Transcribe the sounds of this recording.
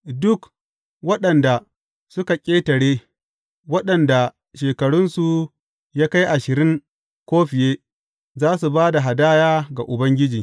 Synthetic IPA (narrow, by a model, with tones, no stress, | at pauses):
dʊ˦k | wɐ˦ɗɐ˨nda˨ | sʊ˦ka˨kʲʼeː˦tɐ˨ɽeː˦ | wɐ˦ɗɐ˨nda˨ | ʃeː˨kɐ˨ɽʊ˦nsu˨ | jaː˦ka˦jʔa˨ʃɪ˨ɾɪ˦ŋ | kʷoː˦ɸɪ˨jeː˦ | zaː˦su˨baː˦da˨ɦa˨daː˦jaː˦ɡa˨ʔʊ˨bɐ˦ŋɡʲɪ˦d͡ʒiː˨